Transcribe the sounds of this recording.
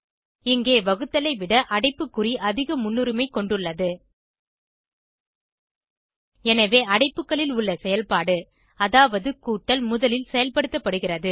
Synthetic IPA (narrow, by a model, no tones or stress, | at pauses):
ɪŋɡeːʋɐɣɯt̪ːɐlɐɪʋɪɽɐʔɐɽɐɪpːɯkːɯriʔɐðɪɣɐmʊnːɯɾɪmɐɪkːɔɳɖɯɭːɐðɯ | ɛnɐʋeːɐɽɐɪpːɯkːɐɭɪlʊɭːɐsɛjɐlpaːɽɯ | ɐðaːʋɐðɯkuːʈːɐlmʊðɐlɪlsɛjɐlpɐɽɯt̪ːɐpːɐɽɯɣɪrɐðɯ